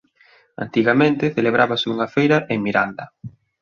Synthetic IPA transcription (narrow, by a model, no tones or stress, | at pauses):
a̰nt̪iɣamẽnt̪eθeleβɾaβaseuŋɐfejɾɐʔeŋmiɾand̪ɐ